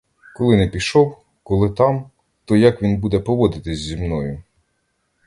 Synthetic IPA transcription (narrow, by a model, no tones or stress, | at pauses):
kɔlˠɪnɛpʲiʃɔw | kɔlˠɪt̪ɑm | t̪ɔjɐkʋʲinbud̪ɛpɔʋɔd̪ɪt̪ɪzʲzʲimnɔjʊ